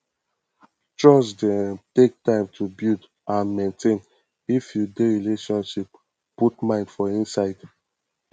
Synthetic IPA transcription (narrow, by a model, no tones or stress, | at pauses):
t͡ʃɹɔsdɛ̃ntek̚tãɪ̃mtʰubild | ãnmẽntʰẽn | ifjudeɹileʃɔ̃nʃip̚ | putmãɪ̃ndfɔĩnsaɪd